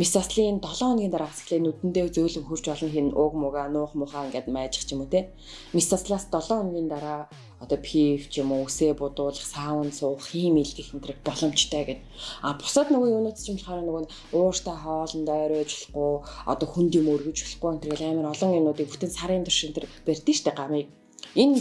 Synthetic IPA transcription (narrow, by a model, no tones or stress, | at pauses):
misɔsɮiːnt̪ɔɮɔːnɡʲiːnt̪aɾaːχsə̥̆xɮeːnːut̪ɘ̆nt̪eːt͡sɵːɮɵ̆ŋxur̥t͡ɕpɔɮɞ̆nxenʊkmʊɣaːnʊːχmʊχaːŋɡat̪mæːt͡ɕɪ̥̆χt͡ɕʰimoːt̪ʰeː | misɔsɮaːst̪ɔɮɔːnɡʲiːnt̪aɾaː | ɔt̪ɔːpʰift͡ɕʰimoːuseːpʊt̪ʊːɮə̆χsaːwə̆nsʊːχiːmiɮt̪ĭxɘ̆nt̪rɘ̆kt̪̚pɔɮɞ̆m̥t͡ɕt̪ʰœːɡen | apʊ̥sə̆t̪nʊɣiŋɵnoːt̪t͡ɕʰɪ̆m̆ɮχɔːɾaːnʊɣɘ̆n | ʊːr̥t̪ʰaːχɔːɮə̆nt̪œːɾʊːt͡ɕʊ̥ɮqʊːɔ̰t̪ɔːxunt̪jimorɣɵ̆t͡ɕʊ̥ɮɡujɔnt̪rɣĕɮaːməɾɔɮɞ̆ŋinʊːt̪iːk̚put̪ʰɘ̆nsaɾiːnt̪ʊ̥rʃɪ̆nt̪̆rper̥ʲt̪iːʃt̪ʰeːɢamiːk̚ | en